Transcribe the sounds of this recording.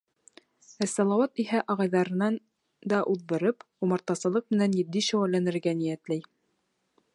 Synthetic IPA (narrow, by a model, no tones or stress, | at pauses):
æsːɑlˠɑwɑt̪iɦæʔɑʁɑjðɑɾɤ̆nɑn | d̪ɑʔuðbɤ̆ɾɤp | umɑɾt̪ɑsɤ̆lˠɤq̚mɘ̆nænjɘ̆d̪ːiʃæ̆wælːænɘ̆ɾɡænijæt̪læj